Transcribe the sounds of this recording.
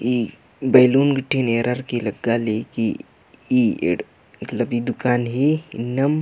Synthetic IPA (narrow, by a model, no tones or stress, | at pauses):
i | bejluːnɡəʈʰːineːɾəɾkiləɡːaleːki | iːḛ | mət̪ləbid̪ʊkaːnɦinɐm